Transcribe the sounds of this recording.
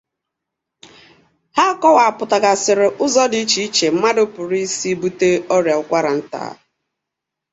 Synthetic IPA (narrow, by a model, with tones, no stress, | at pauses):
ha˦˨kɔ˦wa˨a˨pʊ˨ta˨ka˨sɪ˨ɾɪ˨ʔʊ˦zɔ˦di˦t͡ʃi˨i˦t͡ʃe˨m̩˦ma˦dʊ˦pʊ˨ɾi˦si˦bu˦te˦ɔ˦ɾja˨ʊ˦kʷa˦ɾa˨n̩˦ta̰ː˨˦